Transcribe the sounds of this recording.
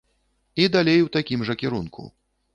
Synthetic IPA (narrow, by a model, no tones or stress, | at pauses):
id̪alʲejwt̪akʲimʐɐkʲiɾunkṵ